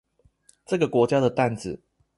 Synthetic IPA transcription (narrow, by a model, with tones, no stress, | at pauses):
ʈ͡ʂɤ˥˩ɡə˩kwɔ˧˥t͡ɕja˥d̪ə˨t̪a˥˩nt͡sɹ̩˨˩